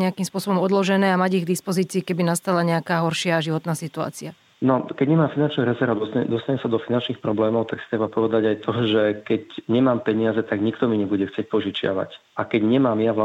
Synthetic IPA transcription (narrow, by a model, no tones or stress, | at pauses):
ɲɛakimspʊɔsɔbɔmɔd̪lɔʒɛnɛːamaɟiɣɡd̪ispɔziːt͡siːkɛbinast̪alaɲɛakaːɦɔɾʃɪaʒiʋɔt̪naːsit̪ua̰ːt͡sia | nɔkɛɟɲɛmaːmfinant͡ʃniɾɛzɛɾad̪ɔd̪ɔst̪aɲɛmsad̪ɔfinant͡ʃnixpɾɔblɛːmɔʊt̪aksi̥t̪ɾɛbapɔʋɛd̪aɟajt̪ʰɔʒɛkɛcɲɛmaːmpɛɲiɪazɛt̪aɡɲikt̪ɔmiɲɛbuɟɛxt͡sɪɛc̚pɔʒit͡ʃɪa̰ʋa̰cakɛɟɲɛmaːmjaʋa